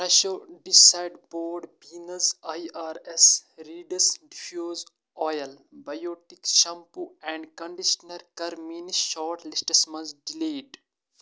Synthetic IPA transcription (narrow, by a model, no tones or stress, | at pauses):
pɾɐʃoɖisaɪɖboːɾɖpiːnɐzajaːɾesɾiːɖɐsɖfjoːz | ɔːjɐlbɐjoːʈikʃɐ̃mpuɛ̃ːɳɖkɐ̃ɳɖiʃnɐɾkɐɾmiːniʃɔːɾʈlisʈɐsmɐ̃nzɖileːɖ